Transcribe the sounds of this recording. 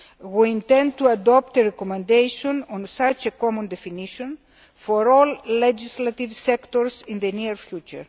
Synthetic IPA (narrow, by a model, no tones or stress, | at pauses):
wiĩnt̪ẽnd̪̚t̪uad̪ɔp̚t̪eɾekomẽnd̪ejʃõnõnsat͡ʃekomũnd̪efiniʃõn | foɾolːed͡ʒislɐt̪ivsɛkt̪oɾsĩnðeniɾfjut͡ʃṵɾ